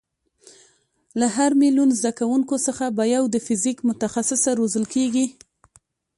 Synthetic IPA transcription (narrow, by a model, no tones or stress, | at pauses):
laɦaɾmilunzd̪akawuŋkosəxabajawd̪əfɪzikmʊt̪axasɪsaɾozəlkeɡi